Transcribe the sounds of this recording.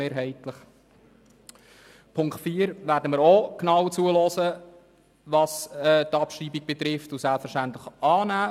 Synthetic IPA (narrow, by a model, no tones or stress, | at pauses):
eːɾɦɛɪtləχ | pʰʊŋktfiːəɾʋæːɾdəməɾoknɑwt͡suəlɔːsə | ʋɑsɛtɑpʃriːbiɡ̥̚bɛt̪ɾɪftusælpfəɾʃtænt̪ləχʔɑːnæː